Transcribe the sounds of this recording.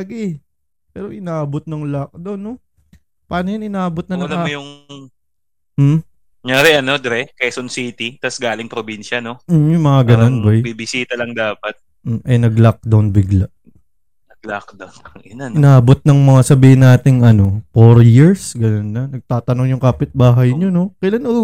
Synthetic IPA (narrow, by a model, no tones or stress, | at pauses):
ɡɛ | pɛːɾo̞ʔɪnaːʔɐbot̪̚nɐŋlak̚d̪onːo | paːnojanɪnaːʔɐbot̪̚nɐnɐmjʊŋ | m̩ | ŋaːɾɛʔɐno̞d̪ɛɾɛkɛsonsit̪it̪ɐsɡaːlɪŋpɾobinʃɐno̞m̩jʊŋmɐŋaɡɐnonbajbibɪsiːt̪ɐlɐŋd̪aːpɐt̪̩̚ː | ʔɐjnɐɡlak̚d̪ɐnbɪɡlaʔ | nɐɡ̚lakd̪ɐnɐnanɪnaːbot̪̚nɐŋmɐŋasɐbiːhɪnːaːt̪ɪŋɐno̞foɾjiɹsɡɐnonːɐnɐɡ̚t̪aːt̪ɐnoŋjʊŋkaːpɪt̪̚baːɦɐjɲono̞kɐʔlɐno